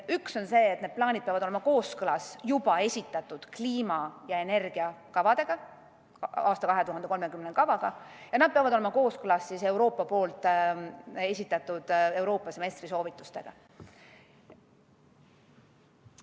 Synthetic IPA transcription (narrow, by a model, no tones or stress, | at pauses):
ykso̞nse̞ːt̪ne̞d̪̥plɑːnʲid̪̚peɑvɑd̪ole̞mɑko̞ːskɤlɑsjub̥ɑe̞sʲit̪ːˑɑt̪ˑːud̪̥kliːmɑjɑe̞ne̞rɡ̥iɑkɑvɑd̪̥e̞ɡ̥ɑ | ɑːst̪ɑkɑɦe̞t̪uɦɑnd̪o̞me̞kymnekɑvɑɡ̥ɑjɑnɑd̪̥̚peɑvɑd̪o̞le̞mɑko̞ːskɤlɑsːise̞wɾo̞ːpːˑɑpo̞ːlt̪ˑ | e̞sʲit̪ːˑɑt̪ːˑud̪̥e̞wɾo̞ːpːˑɑse̞me̞st̪riso̞ːvit̪ːˑust̪e̞̰ɡ̥ɑ̰